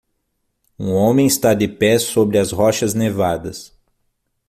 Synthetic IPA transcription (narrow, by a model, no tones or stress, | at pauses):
ũõmẽj̃ɪst̪ad̪ɪpɛsobɾɪɐzɦɔʃɐznevad̪ɐs